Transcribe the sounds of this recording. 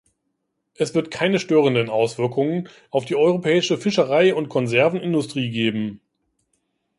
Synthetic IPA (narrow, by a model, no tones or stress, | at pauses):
ʔɛsv̥ɪɐtkʰaɪnəʃtøːʁ̞əndənʔaʊsv̥ɪɐkʰʊŋənʔaʊfd̥iːɔʏʁopʰɛːɪʃəfɪʃəʁaɪʊntkʰɔnzɛɐvn̩ɪndʊstʁ̥iːɡeːbm̩